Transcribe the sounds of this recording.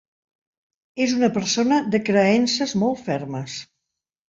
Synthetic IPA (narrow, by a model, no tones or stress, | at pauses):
ezunəpəɾsonəðəkɾəɛnsəzmɔlˠt̪fɛrməs